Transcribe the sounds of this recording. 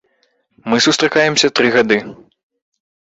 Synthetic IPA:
mɨsust̪ɾakajɛmsʲɐt̪ɾɨɣad̪ɨ

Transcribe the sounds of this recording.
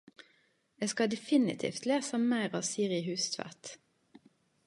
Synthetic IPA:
eːskɑd̪ɛfɪnɪ̰t̪ʰɪ̰ːft̪leːsəmæɪʁɑʋsiːʁɪɦʉːst̪ʰʋæ̰t̪

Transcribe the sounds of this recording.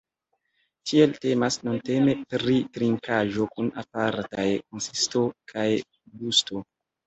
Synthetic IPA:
tʰie̞lte̞masnunte̞me̞pɾitɾiŋkaʒo̞kuna̰paɾtajkonsisto̞kʰaj | ɡusto̞

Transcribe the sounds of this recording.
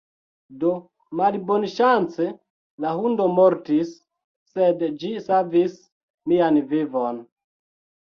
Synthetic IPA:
do | malbonʃant͡se | laɦundo̞moɾtisː | edd͡ʒisavis | mianvivon

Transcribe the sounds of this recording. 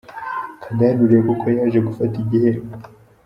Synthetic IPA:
kandanuɾekoko̞jaːʒe̞ɡufatiɟihe

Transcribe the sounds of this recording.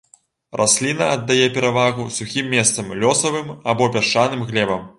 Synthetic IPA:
rʔasʲlʲinɐːd̪ːajɛpʲɛɾavaɣusuxʲimːʲɛst̪sɐmlʲɔsɐvɨmabɔpʲaʂt͡ʂanɨmɣlʲɛbɐm

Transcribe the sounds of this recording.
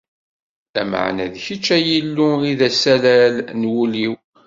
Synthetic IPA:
æ̰ma̰ʕnæ̰ðçit͡ʃːæjəlːuiðæsælælnwuliw

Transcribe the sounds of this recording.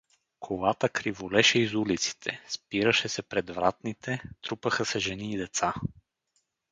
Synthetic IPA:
kʰovat̪əkɾivolɛʃɛizulit̪si̥t̪ʰɛspiɾəʃɛsɛpɾɛd̪vɾat̪nit̪ʰɛt̪ɾupəxəsɛʒɛniːd̪ɛt̪sa

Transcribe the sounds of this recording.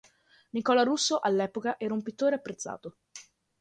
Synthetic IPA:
nikɔlaɾusːoʔalːɛːpokaʔɛːɾaumpit̪ːoːɾeapːɾet̪sːa̰ːt̪o

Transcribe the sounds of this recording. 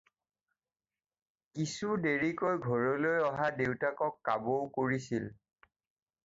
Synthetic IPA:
kisudeɹikojɡʱɔɹɔlojɔɦadewtakɔkːabowkoɹisil

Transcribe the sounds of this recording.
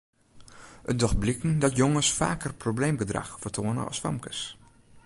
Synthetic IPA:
ʔədɔxblɪkn̩dɔtjoŋəsfa̰ːkərprobleːmɡədra̰xfərtʰoːənə̰ʔɔ̰sfa̰mkəs

